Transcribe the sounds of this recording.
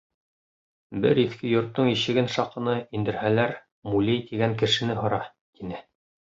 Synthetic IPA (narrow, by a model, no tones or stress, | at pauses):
bɘ̰ɾiθkɘjŏɾt̪ːɤɴiʃɘ̆ɡɘnʃɑqɤ̆nɤind̪ɘ̆ɾhælæɾ | mulʲejt̪iɡæŋkɘ̆ʃɘ̆nɘɦŏɾɑ | t̪inɘ